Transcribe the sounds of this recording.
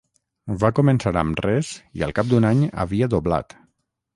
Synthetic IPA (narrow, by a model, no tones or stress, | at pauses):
bakumənsaɾə̰mrɛzḭə̰lˠkap̚d̪unaɲə̰βiəðobla̰t̪